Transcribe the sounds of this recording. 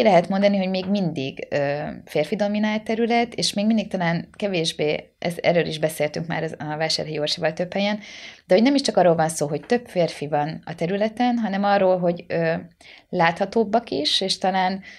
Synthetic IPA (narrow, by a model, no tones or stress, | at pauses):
ilɛɦɛt̪mo̞nd̪ɒniɦo̞ɟmeːɡmind̪iɡøːfeːrfid̪o̞minaːlt̪t̪ːɛɾylɛt̪eːʃmeːɡmind̪ik̚t̪ɒlaːnkɛveːʒbeː | ɛ̰zɛ̰røːliʒbɛseːlt̪yŋkma̰ːɾɒɒvaːʃa̰ːrɦɛjorʃivɒlt̪øphɛjɛnd̪ɛho̞ɟnɛmiʃt͡ʃɒkɒrːoːlvɒnsoːɦoct̪ø̞pfeːrfivɒnɒ̰t̪ɛɾylɛt̪ɛnɦɒnɛmɒrːoːlɦo̞ɟøːlaːt̪hɒt̪oːbːɒkiʃeːʃt̪ɒlaːn